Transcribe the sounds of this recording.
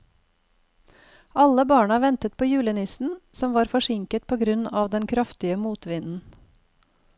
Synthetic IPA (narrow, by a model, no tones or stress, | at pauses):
ɑləbɑːɳəʋɛnt̪ət̪̚pʰoːjʉːlənɪsn̩sɔmʋɑːɾfɔʃɪŋkət̪̚pʰoːɡɾʉnɑːʋd̪ɛnkʰɾɑft̪ɪəmuːt̪ʋɪnn̩